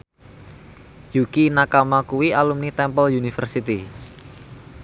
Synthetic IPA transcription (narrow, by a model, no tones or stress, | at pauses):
jukinakamakuwiʔalumnit̪ɛmpəljunifərsit̪i